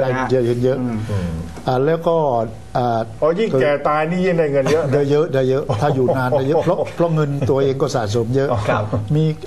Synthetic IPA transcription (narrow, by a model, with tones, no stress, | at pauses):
a˧ji˨˩jə˦˥˩kɯ˨˧˦njɤ˦˥ʔ | ʔaː˧˩lɛː˦˥wkɔː˥˩ | ʔaː˨˩ɔː˦ji˥˩ŋ˧kɛː˨˩t̪aː˧jniː˦˥˩ji˥˩da˧˩jŋɤ˧njə˦˥da˧jə˦˥ʔdaː˧jɤ˦˥ʔt̪ʰaː˥˩juː˨˩naː˧nda˧˩jɤ˦˥pʰɾɔ˦˥pʰɾɔ˦˥ŋɤ˧nt̪u˧ɐʔeː˧ŋkɔː˥˩saː˨˩˦s̬o˩˦mjɤ˦˥ʔkʰmiː˧